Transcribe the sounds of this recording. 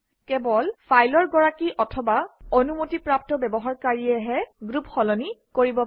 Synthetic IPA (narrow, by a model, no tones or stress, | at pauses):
kɛbɔlfpʰajlɔɹɡɔɹakiʔɔtʰɔbaonumotipɹap̚tɔbɛbɔɦaɹkaɹiɛɦɛɡɹupxɔlɔnikoɹibɔ